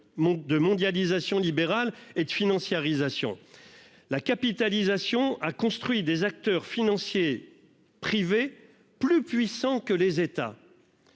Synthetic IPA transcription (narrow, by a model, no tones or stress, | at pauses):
d̪əmɔ̃d̪jalizasjɔ̃libeʁaled̪əfinɑ̃sjaʁizasjɔ̰̃ | lakapit̪alizasjɔ̃akɔ̃st̪χɥid̪ezak̚t̪œʁfinɑ̃sje | pχive | plypɥisɑ̃kəlezet̪a̰